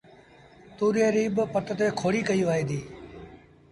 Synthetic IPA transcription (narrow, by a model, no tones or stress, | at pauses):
t̪uːɾeːɾiːbpət̪ət̪eːkʰoːɽiːkəiːʋaːiːd̪iː